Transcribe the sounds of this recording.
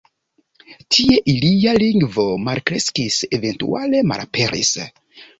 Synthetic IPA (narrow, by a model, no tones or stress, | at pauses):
tʰie̞ʔilialiŋɡvo̞malkɾe̞skise̞ve̞ntṵale̞ma̰lape̞ɾḭs